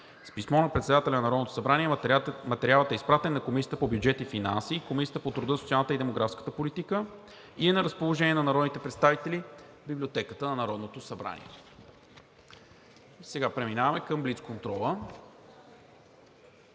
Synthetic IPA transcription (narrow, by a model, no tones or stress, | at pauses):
spismɔnɐpɾɛt̪sɛd̪at̪ɛlʲɛnɐnɐɾɔd̪not̪o̥sɐbɾaniɛmɐt̪ɛɾialˠət̪ɛispɾat̪ɛnːɐkomisʲiət̪əpobjud͡ʒɛt̪ifina̰nsikomisijə̥t̪əpot̪ɾud̪ɤsot̪ialˠnət̪əid̪ɛmoɡɾafskə̥t̪əpolit̪ikə | iɛnɐɾəspolˠoʒɛniɛnɐnɐɾɔd̪nit̪ɛpɾɛt̪st̪avit̪ɛli | biblʲiot̪ɛkət̪ənɐnɐɾɔd̪not̪osɐbɾa̰nḭɛ̰ | sɛɡapɾɛminavɐmɛkəmblit̪skont̪ɾɔlˠə